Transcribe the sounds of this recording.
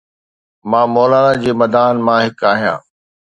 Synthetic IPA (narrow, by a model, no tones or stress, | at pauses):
mãːmɔːlaːlad͡ʑeːmɐd̪aːnmãɦɪkaːɦijã̰ː